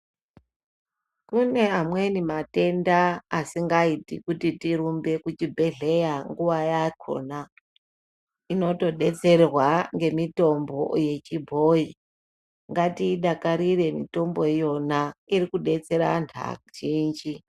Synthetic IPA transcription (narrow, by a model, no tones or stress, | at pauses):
kune̞amwe̞nimate̞ndaːsiŋɡaitḭkutitiɾumbe̞kut͡ʃibʱe̞ɮe̞jaŋɡuʋajakʰo̞̰na | ino̞to̞ɗe̞t͡se̞rrwaŋɡe̞mito̞mbo̞̰je̞t͡ʃibʱo̞i | ŋɡatiːɗakaɾire̞mito̞mbo̞jo̞naiɾikuɗe̞t͡se̞ɾa̰ntʰa̰ʒind͡ʒi